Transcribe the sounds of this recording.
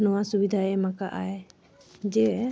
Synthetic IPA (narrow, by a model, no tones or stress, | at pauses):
nɔwasubid̪ʱaɛmakaʔaj | d͡ʒɛ